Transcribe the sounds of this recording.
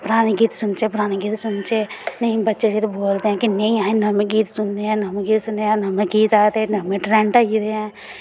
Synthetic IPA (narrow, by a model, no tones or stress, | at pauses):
pɾaːniɡiːt̪sʊnt͡ʃepɾaːniɡiːt̪sʊnt͡ʃenɐĩbɐtːʃeseɾeboːlt̪eɦɛ̃kineĩãːĩnɐmẽɡiːt̪sʊnd̪eɦɛ̃nɐmeɡiːt̪sʊneãnɐmekiːt̪aːt̪ẽnɐmẽʈɾɛ̃ɳʈaɾeɦɛ̃